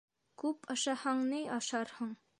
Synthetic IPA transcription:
kʉpʰɑʃɑhɑɴnɤjɑʃɑɾhɤɴ

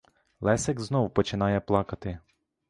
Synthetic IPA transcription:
lˠɛsɛɡznɔwpɔt͡ʃɪnɑjɛplˠɑkɐt̪ɪ

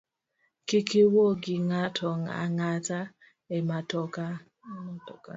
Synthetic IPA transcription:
kikiwoɡɪŋatʰɔŋa̰ŋata | ematɔka

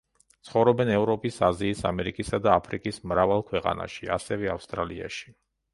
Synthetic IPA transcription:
t̪sʰχɔvɾɔbɛnɛvɾɔpʼisaziːsa̰mɛɾikʼisad̪aːpʰɾikʼismɾavalˠkʰwɛqʼa̰na̰ʃia̰sɛvɛafst̪ʼɾalia̰ʃi̥

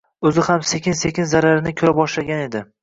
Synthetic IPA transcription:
ɵzɪhamse̞kʲʰɪnsekʲɪnzaɾaɾɪnɪkʲʰɵɾabɒʃlaɡʲane̞d̪ɪ

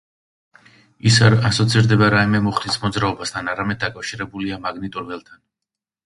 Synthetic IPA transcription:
isaasɔt̪sʰiɾd̪ɛbaɾaimɛmɔχɾismɔd̪zɾaɔbast̪ʰanaɾamɛd̪̚ːakʼafʃiɾɛbuliamaɡnit̪ʼuɾvɛlˠt̪ʰan

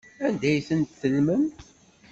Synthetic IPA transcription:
ænd̪æjθənt̪θəlməm

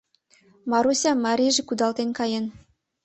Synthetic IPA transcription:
mɑɾusʲɑmːɑɾʲiʒĕkud̪ɑlt̪enkɑjen

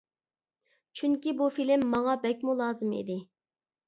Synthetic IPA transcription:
t͡ʃʰyŋkʲibufilɪmːɑŋɑbɛk̚ʲmulˠɑːzɨmḭd̪ɪ

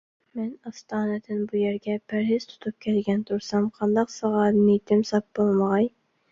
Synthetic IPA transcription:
mɛnɑst̪ʰɑːnɨd̪ɪnbujæɾɡʲɛpʰæɾɦɪz̥t̪ʰu̥t̪ʰup̚kʲʰɛlɡʲɛnt̪ʰuɾsɑmqʰɑnd̪ɑqsɑʁɑnit̪ʰɪmsɑp̚bolˠməʁɑj

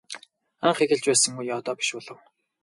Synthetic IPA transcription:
aɴχeɣɘ̆ɮt͡ɕpæːsə̆ŋujɔːt̪ɔːpi̥ʃpʊɮə̆w

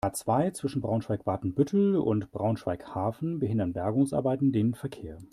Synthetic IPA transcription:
aːt͡sv̥aɪt͡sv̥ɪʃn̩bʁaʊnʃv̥aɪkv̥aːɐtn̩bʏtʰl̩ʊ̰ntb̥ʁaʊnʃv̥aɪkhaːfn̩bəhɪndɐnbɛɐɡʊŋsʔa̰ɐbaɪtn̩deːnfɛɐkʰeːɐ

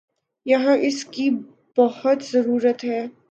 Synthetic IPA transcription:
jɐɦãʔɪski | bɐhʊt̪zɐɾuːɾət̪ɦɛː

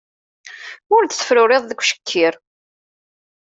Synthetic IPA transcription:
ʊɾd̪θə̥fɾʊɾeðˤðəkʷːʃə̥kʰːiɾ

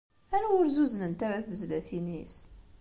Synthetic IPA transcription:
æɾæwʊɾzuzənənt̪aɾaθəzlæθinis

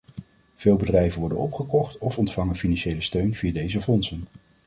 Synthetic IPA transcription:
v̥eːlˠbədrɛjvənʋɔɹdə̰nɔpχəkɔχtɔfɔntfɑŋənfinɑnʃejləstøɥnv̥iːədejzəfɔnsən

